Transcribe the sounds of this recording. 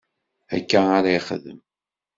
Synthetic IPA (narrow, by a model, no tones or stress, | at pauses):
æ̰kːaaɾaiχə̰ðə̰m